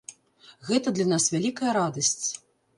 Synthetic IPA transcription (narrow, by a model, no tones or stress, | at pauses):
ɣɛt̪ɐd̪lʲanasvʲalʲikɐjɐɾad̪ɐsʲt͡sʲ